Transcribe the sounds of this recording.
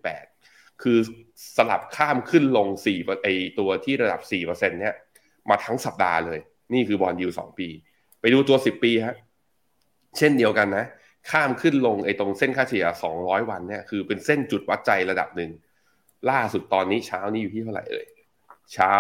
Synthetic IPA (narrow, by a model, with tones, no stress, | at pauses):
pɛ̰ː˨˩t̪̚ | kʰɯː˧sa˧la˨˩p̚kʰaː˥˩mkʰɯ˥˩nlo˧ŋsiː˨˩pːʔa˧jt̪u˧ɐt̪ʰiː˥˩ɾa˧da˨˩p̚siː˨˩pɤː˧se˧nːi˥˩ɐ | maː˧t̪ʰa˦˥ŋsa˨˩p̚da̰ː˧lɤː˧j | niː˥˩kʰɯː˧bɔː˧nji˧wsɔ̰ː˩˦ŋpiː˧ | pa˧jduː˧t̪u˧ɐsi˨˩pːiː˧kʰa˦˥ʔ | t͡ɕʰe˥˩ndi˧əwka˧nːa˦˥ʔ | kʰaː˥˩mkʰɯ˥˩nlo˧ŋʔa˧jt̪o˧ŋse˥˩nkʰaː˥˩t̪ʰi˩˦ɐsɔ̰ː˩˦ŋɾɔː˦˥jwa˧nːi˥˩ɐkʰɯː˧pe˧nse˥˩nt͡ɕu˨˩t̪̚wa˦˥t̪̚t͡ɕa˧jɾa˧da̰˨˩p̚nɯ˨˩ŋ | laː˥˩su˨˩t̪̚ːɔː˧nːiː˦˥t͡ɕʰaː˦˥wni˦˥˩juː˨˩iː˥˩a˥˩wɾa̰˨˩jlɤ̰ː˧j | t͡ɕʰaː˦˥